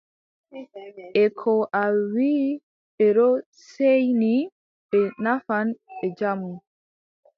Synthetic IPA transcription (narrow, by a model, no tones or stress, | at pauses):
ʔɛkʰɔʔawiː | ɓɛɾɔ | sejni | ɓɛnafanɓɛd͡ʒamu